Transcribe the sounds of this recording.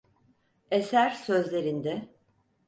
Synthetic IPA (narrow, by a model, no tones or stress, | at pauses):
esæɾsøzlʲeɾind̪ɛ